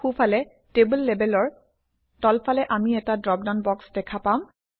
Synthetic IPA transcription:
xupʰalɛ | tebəlːɛbɛlɔɹ | tɔlfʰalɛʔamiɛtadɹɔp̚daʊ̃nbɔksdɛkʰapãm

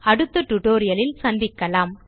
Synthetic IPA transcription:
ɐɽɯt̪ːɯʈːʊʈoːɾɪjɐlɪlsɐnd̪ɪkːɐlaːm

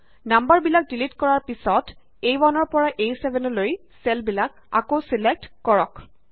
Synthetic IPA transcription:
nambaɹbilak̚dilitkɔɹaɹpisɔt | ejwanɔɹpɔɹaʔejsɛbɛnɔloj | sɛlbilak̚ | a̰kosilek̚tkɔɹɔk

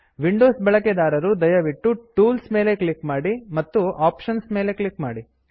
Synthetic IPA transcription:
ʋiɳɖoːsbɐɭɐked̪aːɾɐɾud̪ɐjɐʋiʈːuʈuːlsme̞ːle̞kɭikmaːɽimɐt̪ːuʔaːpʃɐnsmeːle̞kɭikmaːɽi

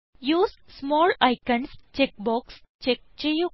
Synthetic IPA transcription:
juːzsmɔːlaɪkənst͡ʃek̚bɔːks | t͡ʃek̚t͡ʃejo

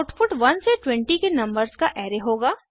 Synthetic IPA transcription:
ʈfʊʈʋɐnseʈwɛ̃ɳʈikenɐ̃mbəɾzkaʔɛːɾeɦoːɡaː

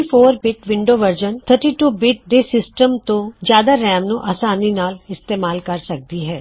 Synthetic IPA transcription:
ifʰoːɾbɪʈʋɪ̃ɳɖoʋəɾd͡ʒənt̪ʰəɾʈiʈuːbɪʈ̚ɖ̪esɪsʈəmt̪õzjaːd̪aɾɛ̃ːmnuʔaːsaːninaːlɪst̪eːmaːlkɐɾsɐk̚d̪iɦɛː

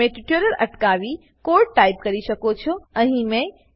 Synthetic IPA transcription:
ẽʈiʈjoɾəlɐ̰ʈkaʋi | koɾʈʈaib̚kəɾiʃəkot͡ʃʰoəɦĩmẽ

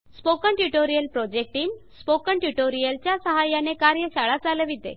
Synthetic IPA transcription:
spokəɳʈjuʈoɾijəlpɾɔd͡ʑek̚ʈiːmspokəɳʈjuʈoɾijəlt͡ɕjasəɦajanekaɾjəɕaɭat͡saleʋid̪ḛ

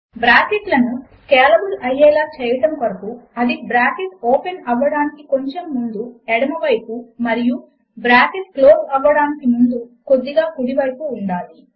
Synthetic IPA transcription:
bɾaːkiʈlɐnu | kɛːlɐbulɐjɛːlaːt͡ʃɛːjɐʈɐmkɐɾɐpuɐd̪ibɾaːkeʈoːpenɐʋːɐɽaːnikiko̞ɲt͡ʃemːund̪uɛɽɐmɐʋɐjpumɐɾiju | bɾaːkeʈ̚kloːsɐʋːɐɽaːnikimund̪uko̞d̪ːiɡaːkuɽiʋɐjpuːɳɖaːli

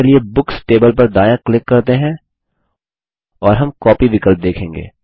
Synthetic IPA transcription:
eliebʊksʈeːbəlpɐɾd̪aːjãklɪkːɐɾt̪eɦɛ̃ | ɔːɾɦɐmkɔːpiʋɪkəlp̚d̪eːkʰẽːŋɡḛː

